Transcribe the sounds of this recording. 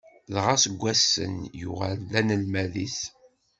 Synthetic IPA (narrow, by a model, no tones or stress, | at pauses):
ðʁasəɡʷːæsːə̰njʊ̰ʁælːænəlmæðiθ